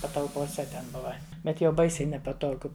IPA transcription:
pɐtɐlˠpoːˈsʲɛ tʲɛn ˈbʊʋɐ ˈbʲɛt jɛʊ ˈbɐɪsʲɛɪ nʲɛpɐˈtoːɡʊ

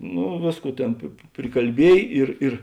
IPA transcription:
ˈnʊ ˈʋʲeːsˌkuː ˈtʲeːn pʲɪ pʲrʲɪkɐlʲˈbʲiɛj ˈɪr ɪr

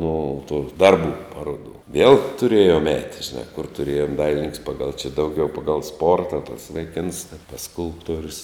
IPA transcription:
noː tuː ˈdɐrˌbuː ˈpɑːroːduː ʋʲiɛlˠ tʊˈrʲeːjoːm ˈɛːt ʒʲɪˈnɑː kʊr tʊˈrʲeːjoːm ˈdɐɪlʲɪnʲɪŋks ˈpɑːɡɐlˠ t͡ʃʲɪ ˈdɐʊˌɡʲɛʊ ˈpɑːɡɐlˠ ˈspoːrtɐ tɐs ʋɐɪˈkʲɪns ɐ tɐs ˈskʊlˠptuɔrʲʊs

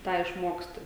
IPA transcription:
ˈtɑː ɪʃˈmoːksʲtʲɪ

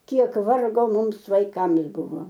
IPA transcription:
ˈkʲiɛk ˈʋɐrɡoː ˈmʊms ʋɐɪˈkɐms ˈbʊʋoː

